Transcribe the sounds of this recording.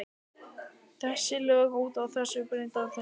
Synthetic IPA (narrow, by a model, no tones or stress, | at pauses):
θɛsːɪlœːɣuːt̪awθɛsːʏpɾɪnt̪awθɛ